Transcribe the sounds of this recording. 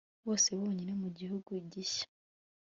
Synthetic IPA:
βo̞ːse̞βoːɲinemuɟihuɡuiɟiʃḁ

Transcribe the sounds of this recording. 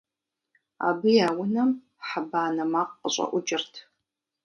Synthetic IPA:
a̰ːbɨjaːwʊnɐm | ħabaːnɐmaqʼəɕʼɐ̰ʔʷʊd͡ʒɪrtʰ

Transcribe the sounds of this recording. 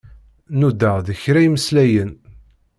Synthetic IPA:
nud̪ːəʁðəçɾæjməslæjən

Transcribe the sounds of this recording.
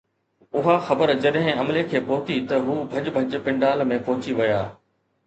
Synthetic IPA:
ʊɦaxɐbəɾd͡ʑɐɗɦɪ̃ɐmlekʰeːpɔɦʊtit̪ɐɦuːbʱɐd͡ʑbʱɐd͡ʑpɪ̃ɳɖaːlmẽpɔɦʊt͡ɕiʋɐjaː

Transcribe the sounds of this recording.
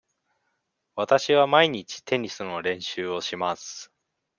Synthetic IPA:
βat̪aɕiβamaiɲ̟it͡ɕi̥t̪ʰe̞ɲ̟isɨno̞ɾẽ̞ɰ̃ɕɨːo̞ɕimasɨ̥

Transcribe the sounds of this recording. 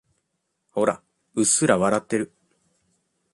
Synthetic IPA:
ho̞ɾa̰ | ɯsɨɾaβaɾat̪ːe̞ɾɯ̟

